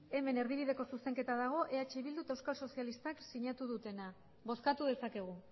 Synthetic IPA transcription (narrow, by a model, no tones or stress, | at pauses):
e̞me̞ne̞ɾð̞iβ̞iðe̞ko̞suse̞ŋke̞t̪aðaɣ̞o̞ʔe̞at͡ʃe̞βild̪ut̪aewskalso̞sialist̪aksiɲat̪uðut̪e̞na | βo̞skat̪uðe̞sake̞ɣ̞u